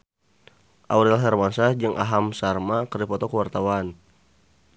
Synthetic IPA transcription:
ʔawɾilasarmansad͡ʒəŋʔa̰ɦamsarmakəripɔt̪ɔkəwart̪awan

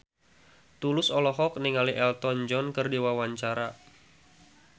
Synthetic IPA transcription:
t̪ulʊsɔlɔɦɔk̚niŋaliʔɛlt̪ɔnd͡ʒɔnkərdiwawaɲt͡ʃaɾa

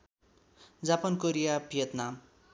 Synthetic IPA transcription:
d͡zapʌnkoɾijapijʌt̪nam

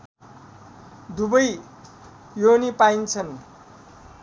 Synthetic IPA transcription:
d̪ubʌj | jonipaint͡sʰʌn

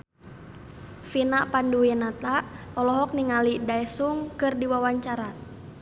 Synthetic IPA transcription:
finaʔpanduwinat̪aʔɔlɔɦɔk̚niŋalidaɛsuŋkɨrdiwawaɲt͡ʃaɾat̪̚

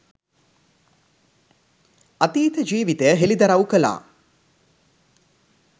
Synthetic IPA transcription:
ɐt̪iːt̪əd͡ʒiːʋit̪ejəɦelid̪ɐɾawukəla̰ː

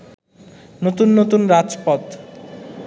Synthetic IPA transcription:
not̪unːot̪unɾad͡zpɔt̪

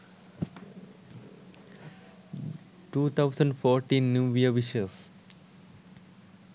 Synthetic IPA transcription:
ʈuːt̪ʰaʊsə̃ɳɖfɔːɾʈĩːnːjuːʋiəʋiʃəs

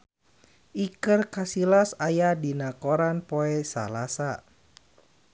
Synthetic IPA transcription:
ʔikərkasilasajadinakoɾanpoɛsa̰lasa

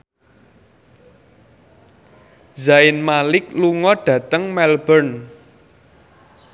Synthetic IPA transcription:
zaɪnmalɪk̚luŋɔɖ̥ä̤t̪əŋmɛlbərn

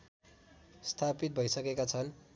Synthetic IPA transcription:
st̪ʰapit̪̚bʱʌjsʌkekat͡sʰʌn

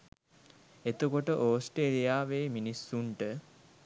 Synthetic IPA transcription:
et̪ukoʈəʔoːsʈeːlijaːʋeːminisːuɳʈə

